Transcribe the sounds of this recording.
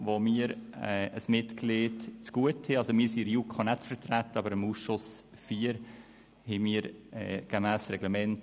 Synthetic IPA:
ʋomiːɾɛːəsmɪtkleːdt͡sɡ̥uəthɛɑlsomiːɾsiɾjukʰχɑnɛtfəɾtɾætəɑbəɾəmuːsʃʊsfiːəɾ | hɛmiːɾɛ̰ɡ̥əmæːsɾɛɡləmɛnt

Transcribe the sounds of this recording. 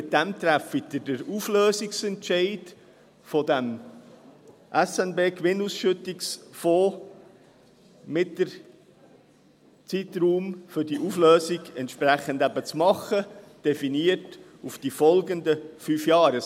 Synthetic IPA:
mɪt̚d̥̪æmt̪ɾæfidədəɾufløːsɪksɛntʃɛɪd | fɔd̪æm | ʔæsɛnbeːkʋɪnusʃɵt̪ɪksfoː | mɪtːəɾ | t͡sit̪ɾuːmfʏɾdiʔufløːsiɡɛntʃpɾæχəndæbət͡smɑχːəd̥ɛfiniət | ufd̥ifɔlɡənd̪əfyːfjɑːɾə

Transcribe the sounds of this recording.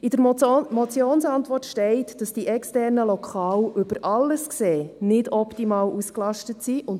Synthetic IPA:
ɪd̥əɾmɔt͡sjoːnsɑntʋɔrtʃtɛɪtd̥ɑsd̥iʔɛkstɛɾnəlɔkʰɑːlʔʏb̥əɾʔɑlːəskseːnɪdɔptimɑːlʔusklɑʃtətsiʔʊn

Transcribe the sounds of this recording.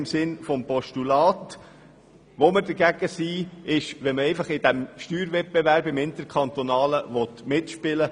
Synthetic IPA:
ɪmsɪnfɔmpɔʃtulɑːt | ʋoməɾdəɾɡ̥æɡ̥əsiːɪʃʋɛnməɛɪfɑχɪd̥æmʃtyːɾvɛt̚b̥ɛvæɾbɪmɪnt̪əkʰɑnt̪ɔnɑːləʋɔt̪mɪtʃpɪlə

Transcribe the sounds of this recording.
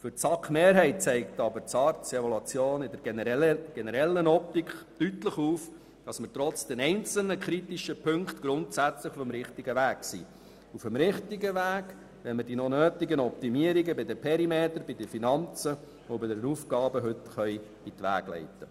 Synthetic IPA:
fʏɾt͡sɑkχmeːɾɦɛɪt̚t͡sɛɪk̚tɑbəɾt͡sɑɾtt͡sɛɔlɑt͡sjoːnɪdəɾɡ̥ɛnəɾɛlːənɔp̚tikχtytləχuːf | d̥ɑsmətɾɔt͡sd̥ɛnɛɪnt͡sl̩nəkʰɾitiʃəpʰɵŋkχtɡ̥ɾʊntsæt͡sləχufəmɾɪχtiɡəʋæːksḭː | ufəmɾɪχtiɡəʋæːɡ | ʋɛnmədinɔnøːtɪɡənɔpt̪imiəɾiɡəbɪd̪əpʰɛɾimeːt̪əɾb̥ɪd̥əfinɑnt͡sə | ʊbɪdəɾnuːfɡɑːbəɦɵt̪χœjb̥it̪ʋæ̰ːɡ̥lɛ̰ɪtə

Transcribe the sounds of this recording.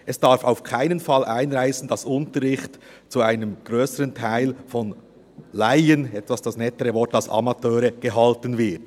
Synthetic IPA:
ʔɛsd̥aɾfaʊfkʰaɪnənfɑlʔaɪnʁaɪsn̩d̥ɑsʊntəɾʁɪxt | t͡suaɪnəmɡ̥ʁøːsəʁəntʰaɪlfɔn | laɪənɛtvɑsd̥ɑsnɛtəʁəvɔɾtɑlsɑ̰mɑtʰøːɾəɡ̥əɦɑltənvɪɐt

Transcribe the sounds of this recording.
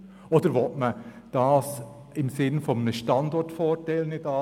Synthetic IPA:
od̥̪əɾʋɔtmə | d̥ɑːs | ɪmsɪnfɔmnəʃtɑndɔɹtfoːɾtɛlənɪdɑ

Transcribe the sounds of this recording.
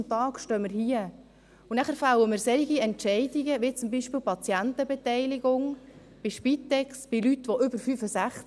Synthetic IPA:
mt̪ɑːkʃtœːmɪɾhiə | unæχəɾfɑləmɪːɾsɛɾiɡiɛntʃɛɪdiɡəʋit͡sʊmbiːʃpɪːlpɑt͡sjænt̪əbɛtɛɪliɡ̥ʊŋ | b̥ɪʃpit̪ːɛksb̥ɪlytʋɔʔʏbəɾfyfəsæχt͡s

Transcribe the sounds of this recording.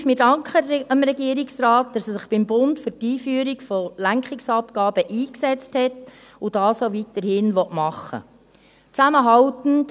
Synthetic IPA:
fmɪdɑŋkχəəmɾɛɡiəɾɪksɾɑːt̚d̥ɑsɛsɪχb̥ɪmbʊntfʏtiːfyːɾikfɔlæŋkχɪksɑpɡ̥ɑːb̥əʔiːksɛt͡sthɛt | ʊd̥ɑːsoʋitərhɪnʋɔtmɑχə̰ | t͡sæməɦɑwtn̩t

